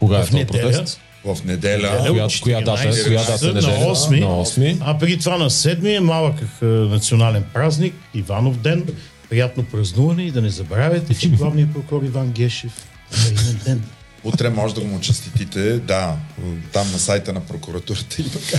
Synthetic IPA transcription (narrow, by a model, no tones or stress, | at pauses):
koɡaɐfnɛdpɾɛɛl | vɐfnɛd̪ɛlʲəɐjakʊjanaajjasənɐɔsmiɔsmiɐpɾɡʲit̪ovanɐsɛd̪miɛmalˠəkəxnɐt̪sionalɛnpɾaznik | ivanofd̪ɛn | pɾijat̪nopɾɐznuvɐnɛid̪ɐnɛzɐbɾavʲjɐt̪ɛt͡ʃɛɡlˠavniɐpɾokʊɾɔɾivanɡʲɛʃɛf | ɐid̪ɛnd̪ɛn | ut̪ɾɛmɔʒɛd̪ɐɡomʊt͡ʃɛst̪it̪it̪ɛd̪at̪amnɐsajt̪ənɐpɾokuɾɐt̪uɾət̪əit̪oka